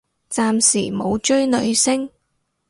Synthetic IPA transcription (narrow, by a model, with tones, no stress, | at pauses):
t͡saː˧msiː˨˩mo˨˧wt͡ʃɵ˥ɥnɵ˨˧ɥsɪ˥ŋ